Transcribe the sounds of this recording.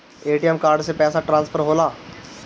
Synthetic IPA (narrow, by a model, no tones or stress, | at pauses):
eːʈijɛmkaːɾɖsepɛːsaʈɾãːnspʰəɾɦoːlaː